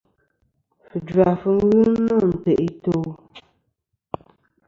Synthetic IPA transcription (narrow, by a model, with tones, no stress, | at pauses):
fɨ˨dwa˨fɨ˨ŋ˦ɣɨ˦nɔ˦˨n̩˨te˨ʔi˦to˦